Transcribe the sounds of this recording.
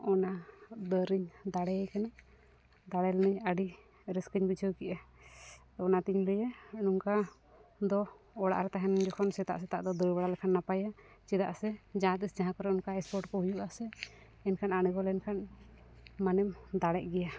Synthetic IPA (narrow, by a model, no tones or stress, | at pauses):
ɔnad̪əɾiɲd̪aɽɛajkana | d̪aɽɛlnəɲəɖi | ɾɛskəɲbid͡ʒʰəwkɛʔɛ | ɔnat̪iɲləjɛnuŋka | d̪ɔ | ɔɽa̰ʔɾɛt̪aɦɛnd͡ʒɔkʰɔnsɛt̪a̰ʔsɛt̪a̰ʔd̪ɔd̪ɔɾbaɽalɛkʰanːapaja | t͡ʃid̪a̰ʔsɛd͡ʒaat̪isd͡ʒaɦãkɔɾɛɔnkaɛspɔɾʈkɔhujuʔaʔsɛ | ɛnkʰananəɡɔlɛnkʰan | manɛmd̪aɽɛʔ̚ˀɡɛja